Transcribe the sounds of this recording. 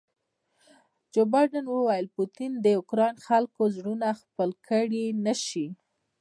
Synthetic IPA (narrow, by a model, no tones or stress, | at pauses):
d͡ʒobɑjɖanwəwajəlput̪ind̪əʊkɾɑjnxalkozɽunaxpəlkʰəɽinəʃi